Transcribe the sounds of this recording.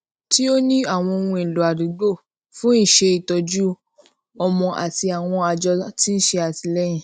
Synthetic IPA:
ti˦o˦nĩ˦a˦˨w̃ɔ̃˧o˧nũ˧ẽ˨lo˨a˨di˨˦ɡ͡bo˦˨ | fũ˦i˦˨ʃe˧i˨tɔ˧d͡ʒu˦ | ɔ˧mɔ̃˧ʔa̰˨ti˧a˨w̃ɔ̃˧a˧d͡ʒɔ˧ti˦n̩˦ʃe˧a˨ti˧lɛ˦j̃ĩ˦˨

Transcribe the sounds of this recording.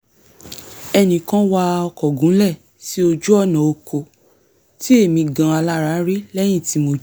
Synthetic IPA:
ɛ˧nĩ˨kã˦wa˧ɔ˧kɔ˨ɡũ˨˦lɛ˦˨ | ti˦o˧d͡ʒu˦ɔ˦˨nã˨o˧kʰo˨ | ti˦e˦˨mĩ˧ɡã˧˦a˧la˦˨ɾa˨˦ɾe˦lɛ˦j̃ĩ˦˨ti˨˦mo˧˦

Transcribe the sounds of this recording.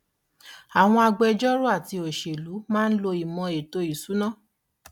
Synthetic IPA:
a˨w̃ɔ̃˧a˧ɡ͡bɛ˧d͡ʒɔ˦ɾo˦a˦˨ti˧o˨ʃe˨lu˨˦mãː˦˧n̩˦lo˧i˨mɔ̃˧e˨to˧i˨su˨˦nã˦˨

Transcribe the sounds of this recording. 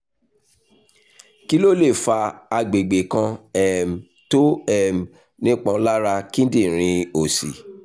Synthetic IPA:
ki˦lo˦le˦˨fa˧a˧ɡ͡be˨ɡ͡be˨kã˧ɛ˨m̩˨ | to˦ɛ˦˨m̩˨ | nĩ˦k͡pã˧˦la˦ɾa˧kĩ˦n˦dĩ˦˨ɾ̃ĩ˧o˨sḭ˨

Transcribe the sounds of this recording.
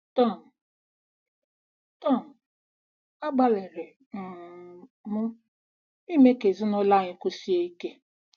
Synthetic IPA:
tɔ˦˨n̩˨ | tɔ˦˨n̩˨ | a˦ɡ͡ba˦lɪ˨ɾɪ˨ | mʊ˦ | i˦me˦ke˨zi˦nʊ˦la˦˨ɲɪ˦kʊ˦si˦e˦i˦ke˦

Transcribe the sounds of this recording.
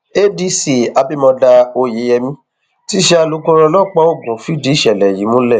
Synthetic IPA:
e˦di˦si˨a˨˧bi˦mɔ̃˧da˧o˧je˨˦jɛ˧mĩ˦ | ti˦ʃɛ˦a˧lu˨˦kũ˦ɾɔ˧lɔ˦˨k͡pa˦o˦˨ɡũ˨˦fi˦˨di˨˦˨ʃɛ˨lɛ˨ji˨˦mũ˦lɛ˦˨

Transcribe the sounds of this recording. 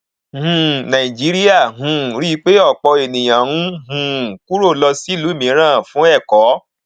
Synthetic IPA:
hũ˧˨nã˨i˨d͡ʒi˨˦ɾi˦a˦˨ɦũ˨ɾi˦k͡pe˦ɔ˦˨k͡pɔ˧e˨nĩ˨j̃ã˨ũ˦ɦũ˨ku˦ɾo˦˨lɔ˧si˦˨lu˨˦mĩ˨˦ɾ̃ãː˦˨fũ˨˦ɛ˦˨kɔ˨˦

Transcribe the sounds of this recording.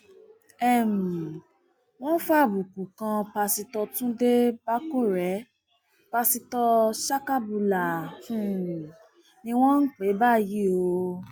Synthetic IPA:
ɛ˦˨mũ˨ | w̃ɔ̃˦n̩˦fa˦˨bu˨ku˨kã˧pa˧si˧tɔ˧tũ˦de˦ba˦ko˦˨ɾɛ˨˦ | pa˧si˧tɔ˧ʃa˦ka˦bu˧la˨fũ˦˨ | nĩ˧w̃ɔ̃˦n̩˦k͡pe˨˦ba˦˨ji˦o˧

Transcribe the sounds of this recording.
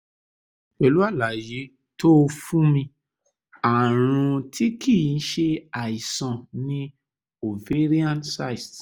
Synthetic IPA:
k͡pɛ˨lu˦a˦˨la˨je˨˦ | to˦˧fũ˦mĩ˧ | a˨ɾ̃ũ˧tʰi˦kʰi˦˨n̩˦ʃe˧a˨i˨sã˨nĩ˧ | o˨ve˦ɾi˦ã˦nsa˦i˨t

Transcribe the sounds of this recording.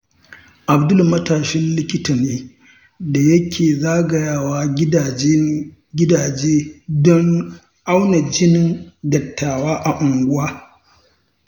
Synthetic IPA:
ʔa˨bdʊ˦lmɐ˦taː˨ʃɛ˦nlɪ˦kʲɪ˦ta˨neː˦ | da˨jɐ˦kʲʰeː˨zaː˦ɡɐ˨jaː˦waː˦ | ɡʲɪ˦daː˨d͡ʒeː˦dɔ˦ŋ | ʔa˦wna˨d͡ʒɪ˦nɪ˦˨ŋdɐ˨tʰːaː˨waː˦ʔa˨ʔʊ˨ŋɡʷʊ˦waː˦

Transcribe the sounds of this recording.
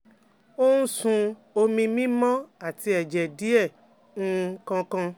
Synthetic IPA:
o˦nũ˦sũ˧o˧mĩ˧mĩ˦mɔ̃˦a˦˨ti˧ɛ˨d͡ʒɛ˨di˨˦ɛ˦˨ | ũ˦˧kã˧kã˧

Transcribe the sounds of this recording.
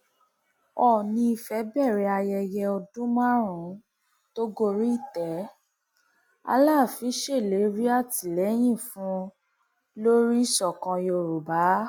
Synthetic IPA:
ɔ˦˨nĩ˧i˧fɛ˨˦bɛ˦˨ɾɛ˨˧a˧jɛ˧jɛ˧ɔ˧dũ˦mã˦ɾũ˨˦ | to˦ɡo˧ɾi˦i˦˨tɛ˨˦ | a̰˧laː˦˨fĩ˧˦ʃe˦˨le˨˦ɾi˦a˦˨ti˨lɛ˨˦j̃ĩ˦˨fũ˨˦ | lo˦ɾi˦i˦˨ʃɔ˨kã˧jo˧ɾu˨ba˨˦

